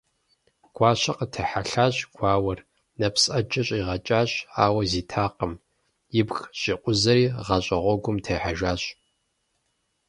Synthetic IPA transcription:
ɡ̥ʷɑːɕɐqətʰɐħaɬaːɕʼɡ̥ʷaːwɐr | nɐpsʼʔɐd͡ʒʼɐɕʼiːʁɐt͡ʃʼaːɕaːwɐziːtʰaːqəm | jɪbxɕʼiqʷʼʊzɐɾiːʁɐɕʼɐʁʷɔɡʷʊmtʰeːħaʒʷaːɕʼ

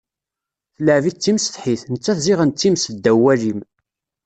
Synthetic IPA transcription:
θləʕvit͡sːimsθħiθnət͡sːæθziʁənt͡s̪ːimsθd̪æwːælim

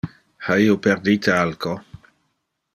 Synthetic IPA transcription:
haiːopeɾd̪it̪ealko

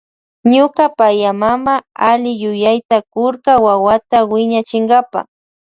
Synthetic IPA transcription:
ɲʊkapajamamaalɪjʊjajt̪akʊɾkawawat̪awɪɲat͡ʃɪŋɡapa̰

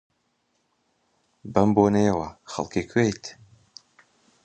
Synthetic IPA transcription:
bɐmboːnejəwɐxɐ̰lˠkikʰwejt̪ʰ

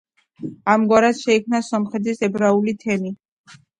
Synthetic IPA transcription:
amɡwaɾasʃɛikʰmnasɔmχɛt̪ʰisɛbɾaulit̪ʰɛni

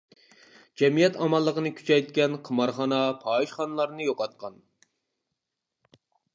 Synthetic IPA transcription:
d͡ʒɛmijɛt̪ɑmɑlˠːəqənɨkʲʰy̥t͡ʃʰɛjt̪̚kʲɛnqʰəmɑɾχɑnɑpʰɑːiʃχɑnɨlˠɑɾnɨjoqʰɑt̪̚qʰɑn

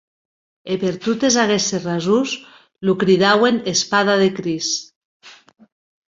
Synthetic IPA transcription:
epeɾt̪ut̪ezaɣeserazuz | lukɾiðawenespað̞aðekɾis

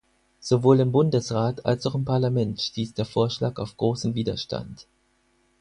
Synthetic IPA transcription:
z̥ovoːlɪmbʊndəsʁaːta̰lsaʊxɪmpʰaɐlamɛntʃtiːsd̥eːɐfoːɐʃlaːkaʊfɡ̥ʁoːsn̩viːdɐ̰ʃta̰nt

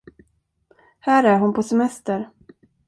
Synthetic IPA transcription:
hæːɾæɾɦʊnpʰɔsɛmɛst̪əɾ

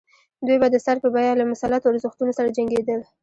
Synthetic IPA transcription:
d̪wujbad̪əsaɾpəbɑjalamʊsalat̪oaɾzəxt̪unosaɾad͡ʒaŋɡed̪əl

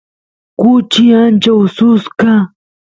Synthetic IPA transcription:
kʊt͡ʃɪant͡ʃawsʊska

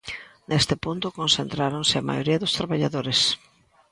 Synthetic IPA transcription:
nest̪ɪpunt̪ʊkonsent̪ɾaɾoŋsɪɐma̰joɾiɐðʊst̪ɾaβaʎaðoɾes

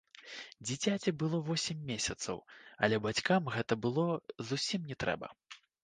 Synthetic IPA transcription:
d͡zʲit͡sʲat͡sʲibɨlˠɔvɔsʲimʲːesʲɐt̪sɐ̰wɐ̰lʲɛbat͡sʲkamɣɛt̪ɐbɨlˠɔzusʲimnʲɛt̪ɾɛ̰bɐ̰

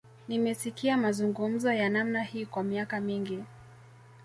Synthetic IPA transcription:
nimɛsikiamazuŋɡum̩zɔjanamnahiːkwamiakamiŋɡi

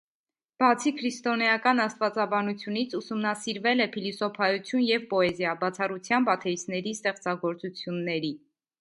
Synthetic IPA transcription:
b̥ɑt͡sʰikʰɾist̪ɔnɛjɑkɑnɑst̪vɑt͡sɑbɑnut͡sʰjunit͡sʰusumnɑsiɾvɛlɛpʰilisɔpʰɑjut͡sʰjunjɛvpɔɛzjɑbɑt͡sʰɑrut͡sʰjɑnbɑt̪ʰɛisnɛɾist̪ɛχt͡sɑɡɔɾt͡sut͡sʰjunːɛɾi

